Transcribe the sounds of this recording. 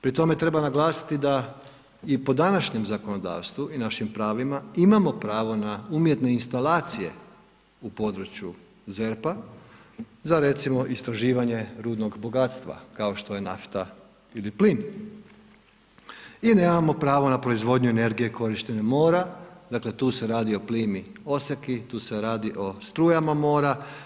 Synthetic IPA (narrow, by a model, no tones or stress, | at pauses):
pɾit̪o̞me̞t̪ɾe̞banaɡlˠaːsi̥t̪id̪a | ipo̞d̪anaʃɲe̞mzako̞no̞d̪a̰ːʋst̪ʋuinaʃimpɾaːʋimaimamo̞pɾaːʋo̞naumje̞t̪ne̞inst̪alaːt̪sije̞̰ | upo̞d̪ɾut͡ɕju | ze̞ɾpa | zaɾe̞t̪simo̞ʔist̪ɾaʒiːʋaɲe̞ɾuːd̪no̞ɡbo̞ɡat̪st̪ʋa̰kao̞ʃt̪o̞je̞naft̪a | iliplin | ineːmamo̞pɾaːʋo̞napɾo̞izʋo̞d̪ɲue̞ne̞ɾɡije̞ko̞ɾiʃt̪e̞nemo̞ːɾad̪akle̞t̪uːse̞ɾaːd̪io̞pliːmio̞sekit̪uːse̞ɾaːd̪iʔo̞st̪ɾuːjamamo̞ːɾa